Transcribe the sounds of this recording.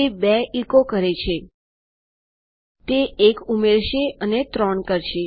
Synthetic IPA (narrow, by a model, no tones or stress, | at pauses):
ebɛikokəɾet͡ʃʰe | t̪eːkumeɾʃeənet̪ɾɔɳkəɾʃe